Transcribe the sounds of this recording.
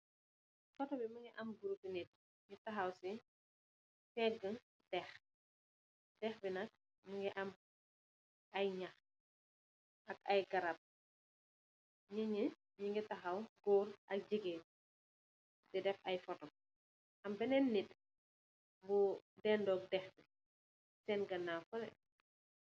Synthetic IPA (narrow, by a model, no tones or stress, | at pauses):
fɔtɔbimuŋɡiʔɐmɡuɾukinit̚ | ŋitɐxɐwsi | fɛɡə | tɛx | tɛxbinɐk̚ | muŋɡɛʔɐm | ʔɐjɲɐx | ɐkɐjɡɐɾɐp̚ | ɲiɲi | ɲiŋɡitɐxɐwɡoːrʔɐk̚d͡ʒiɡe | sidɛfɐjfɔtɔm̚ | ʔɐmbɛnɛnːit | budɛndɔːk̚dɛxbi | sɛːnɡɐnːafɔlɛ̰